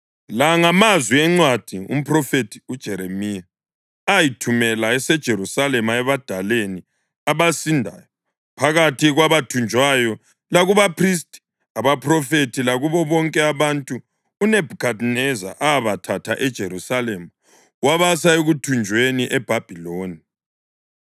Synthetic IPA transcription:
laŋamazwiɛŋ͡ǀwad̥ʱiṵm̩pʰʼrɔfetʰi̥ud̥ʒ̥ʱɛɾemija | ajitʰumɛlaɛsɛd̥ʒ̥ʱeɾusalɛmaɛβad̥ʱaleni | aβasindʱa̰ːjɔ | pʰaɣatʰiɣwaβatʰund͡ʒʱwajɔ | laɣuβapʰristʼi̥ | aβapʰʼrɔfetʰilaɣuβɔβɔŋkʼɛaβantʼuː | nɛbʱukʰadnɛza̰ʔaβatʰatʰaʔɛd̥ʒ̥ʱeɾusalɛma | waβasaeɣutʰund͡ʒʱweniʔɛb̥ʱab̥ʱiloːni

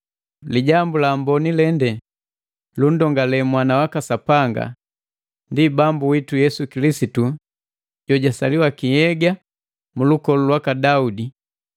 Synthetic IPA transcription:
liɟambulambɔnilɛndɛ | lun̩dɔŋɡalɛmwanawakasapaŋɡa̰ | ndibambuwitujɛsukilisitu | ɟɔɟasaliwakihɛɡa | mulukɔlulwakadaudi

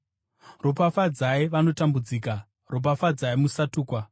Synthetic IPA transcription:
ropafad͡zaiʋano̞tambud͡ziːka | rop̬afad͡zaimusatuːkwa

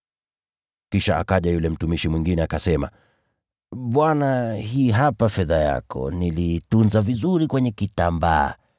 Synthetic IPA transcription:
kiʃaa̰kaʄajulɛm̩tumiʃimwiŋɡinɛakasɛma̰ | ɓwanahiːɦapafɛðaja̰kɔ̰niliːtunzavizuɾikwɛɲɛkitamba̰ː

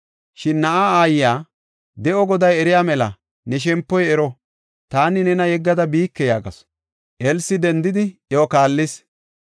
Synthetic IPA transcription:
ʃɪnːɐʔaːaːjɪjaː | d̪ɛʔɔɡɔd̪ɐjɛɾɪjaːmɛlɐ̰ | nɛʃ̬ɛmpːɔjɛɾɔ | t̪aːnɪnɛnɐjɛɡːɐd̪ɐbiːkːɛjaːɡɐ̰s | ʔɛlsːɪd̪ɛnd̪ɪd̪ɪokaːlːɪs

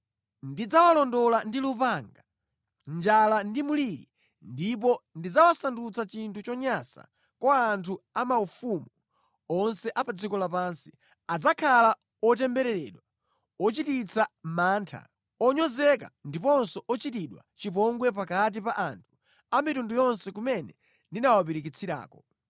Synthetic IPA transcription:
ndid͡zawalɔndɔlandilupaŋɡa | nd͡ʒalandimuliɾḭ | ndip̬ɔndid͡zawasandut͡sat͡ʃintʰut͡ʃɔɲasa̰ | kwaːntʰuamaufumu | ɔnsɛʔapad͡zikɔlapaːnsi̥ | ad͡zakʰala | ɔt̬ɛmbɛɾɛɾɛɗwa | ɔt͡ʃitit͡sʰamaːntʰa̰ | ɔɲɔzɛka̰ndipɔnsɔʔɔt͡ʃitiɗwa̰t͡ʃip̬ɔŋɡwɛp̬akat̬ipaʔantʰu̥ | amitundujɔnsɛkumɛnɛ | ndinawap̬iɾik̬it͡sʰiɾa̰ːkɔ

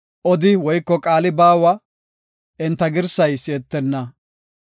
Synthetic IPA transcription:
ʔɔd̪ɪwɔjkːɔkʼaːlɪbaːwɐ | ʔɛnt̪ːɐɡɪɾsɐjsɪɛt̪ːɛnːɐ

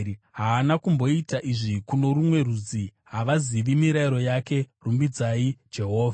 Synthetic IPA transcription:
ɦaːnakumbo̞itaʔiʐikuno̞ɾumwe̞rud͡ziɦaʋaziʋimiɾaiɾo̞jake̞rumbid͡zaid͡ʒe̞ɦo̞ːva

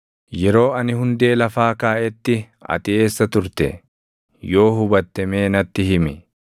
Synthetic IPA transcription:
jɛɾo̞ːɐnɪhʊnd̪e̞ːlɐfaːkaːʔɛt̪ːɪ | ɐ̰t̪ɪe̞ːsːɐt̪ʊɾt̪ɛ̰ | jo̞ːɦʊbɐt̪ːɐmeːnɐt̪ːɪɦɪmɪ

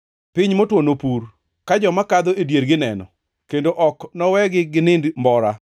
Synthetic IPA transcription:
pɪɲmotwonopuɾ | kad͡ʒɔmakad̪oedjeɾɡɪnɛnɔ̰ | kendoʔɔknɔwɛɡɪɡɪnɪndmbɔɾa

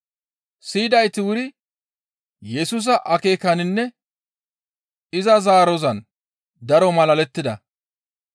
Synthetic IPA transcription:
siːd̪ɐjt̪ɪwʊɾɪ | jɛsuːs̬ɐʔɐke̞ːkɐnɪnːɛ | ɪzɐzaːɾɔzɐn | d̪ɐɾɔmɐlɐlɛt̪ːɪd̪ɐ

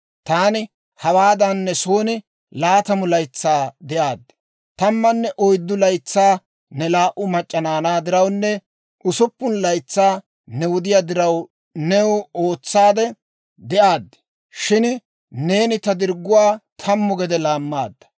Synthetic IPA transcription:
t̪aːnɪ | hɐwaːd̪ɐnːɛso̞ːnɪ | laːt̪ɐmʊlɐjt͡sːaːd̪ɛʔaːd̪ːɛ̥ | t̪ɐmːɐnːɛʔɔjd̪ːʊlɐjt͡sːaː | nɛlaːʔʊmɐt͡ʃʼːɐnaːnaːd̪ɪɾɐwnːɛ | ʔʊsʊpːʊnlɐjt͡sːaː | nɛwɔd̪ɪjaːd̪ɪɾɐw | nɛwʊo̞ːt͡sːaːd̪ɛ | d̪ɛʔaːd̪ːɛ̥ | ʃɪn | ne̞ːnɪt̪ɐd̪ɪɾɡːʊwaːt̪ʰɐmːɔɡɛd̪ɛlaːmːaːd̪ːɐ̥

